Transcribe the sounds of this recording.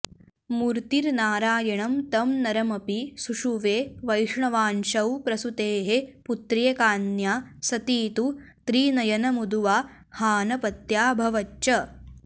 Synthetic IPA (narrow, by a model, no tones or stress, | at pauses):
muɾt̪iɾnaːɾaːjɐɳɐmt̪ɐmnɐɾɐmɐpisuʂuʋeːʋɐjʂɳɐʋaːnʃɐwpɾɐsut̪eːɦeput̪ɾijɐkaːnjaːsɐt̪iːt̪u | t̪ɾiːnɐjɐnɐmud̪uʋaː | haːnɐpɐt̪jaːbʱɐʋɐt͡ʃːt͡ʃɐ